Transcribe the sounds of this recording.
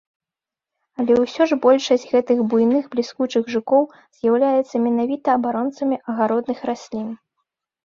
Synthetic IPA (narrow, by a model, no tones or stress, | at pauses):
ɐlʲɛwsʲɔʐbɔlʲʂɐsʲtʲɣɛt̪ɨɣbujnɨxblʲiskut͡ʂɨɣʐɨkɔw | z̥ʲjawlʲajɛt̪sːɐmʲɛnavʲit̪ɐːbaɾɔnt̪sɐmʲiʔɐɣaɾɔd̪nɨxɾasʲlʲin